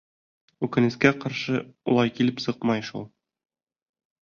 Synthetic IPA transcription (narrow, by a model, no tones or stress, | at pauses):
ʉkɘ̆nɘ̆skæqɑɾʃɤulˠɑjkilɘpsɤqmɑjʃṵlˠ